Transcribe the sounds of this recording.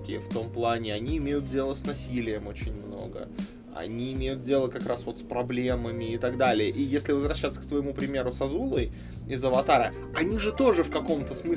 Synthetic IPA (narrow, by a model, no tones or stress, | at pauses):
kʲɪ̰ft̪o̞mplˠanʲɪɐnʲiɪmʲejʊt̪̚dʲe̞lˠəsnɐsʲilʲɪjəmot͡ɕɪnʲmno̞̰ɡə̰ | ɐ̰nʲiːmʲejʊt̪̚dʲe̞lˠəkɐkɾasvo̞t̪spɾɐblʲe̞məmʲɪɪt̪aɡd̪alʲɪjəʔijesʲlʲɪvəzvɾɐɕːat̪sə̥k̚t̪vəjɪmupɾʲɪmʲe̞ɾʊsɐzulˠəj | ɪzəvɐt̪aɾə | ɐnʲiʐɨt̪o̞ʐɨfkɐko̞mt̪əsmɨ